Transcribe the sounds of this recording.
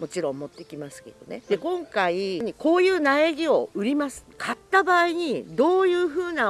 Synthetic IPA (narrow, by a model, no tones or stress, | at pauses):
mo̞t͡ɕiɾõ̞mmːo̞t̪ːe̞kʲimasɨ̥ke̞d̪̥o̞̰ne̞d̪e̞kõ̞ŋkaiɲ̟iko̞ːjɯ̟ːnaeɡʲio̞ɯ̟ɾʲimasɨ̥kʰat̪ːabaːiɲ̟id̪o̞ːjɯ̟ːɸɯ̟ːna